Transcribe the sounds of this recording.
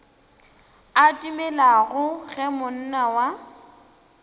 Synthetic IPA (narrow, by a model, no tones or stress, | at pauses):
atʼimɛlaɣʊɣɛmʊn̩nawa